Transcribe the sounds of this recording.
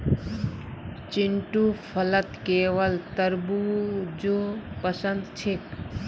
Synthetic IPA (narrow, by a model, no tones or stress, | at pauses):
t͡ʃɪɳʈuːpʰələt̪keːʋəlt̪əɾbud͡ʒopəsənd̪t͡ʃʰɪk